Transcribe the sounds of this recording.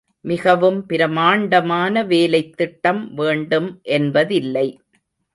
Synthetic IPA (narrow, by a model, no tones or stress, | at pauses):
mɪɣɐʋɯmpɪɾɐmaːɳɖɐmaːnɐʋeːlɐɪt̪ːɪʈːɐmʋeːɳɖɯmʔɛnbɐðɪlːɐɪ